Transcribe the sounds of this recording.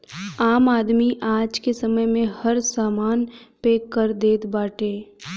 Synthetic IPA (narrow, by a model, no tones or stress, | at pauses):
aːmaːd̪miʔaːd͡ʒkesəməjmẽhəɾsaːmaːnpeːkːəɾd̪eːt̪baːʈeː